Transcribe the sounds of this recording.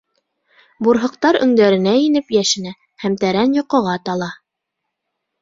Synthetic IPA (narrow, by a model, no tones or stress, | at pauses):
buɾɦɤ̆q̚t̪ɑɾɵ̆ŋd̪æɾɘ̆næinɘpjæʃɘ̆næ | hæmt̪æɾænjŏqŏʁɑt̪ɑlˠɑ